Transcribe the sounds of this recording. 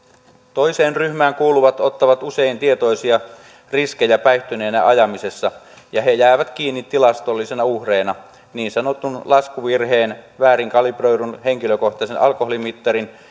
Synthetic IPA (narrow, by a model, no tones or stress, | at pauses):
t̪o̞jseːnryhmæːŋkuːluʋɑt̪o̞t̪ːɑʋɑt̪use̞int̪iet̪o̞isiɑ | riskejæpæiht̪yneːnæ̰ʔɑjɑmise̞sːɑ | jɑɦe̞jæːʋæt̪kiːnːit̪ːilɑst̪olːisenɑuhreːnɑ | niːnsɑno̞t̪ːunlɑskuʋirɦe̞ːnʋæːɾiŋkɑlibrojɾunhe̞ŋkiløko̞ht̪ɑsenɑlkoholimit̪ːɑɾin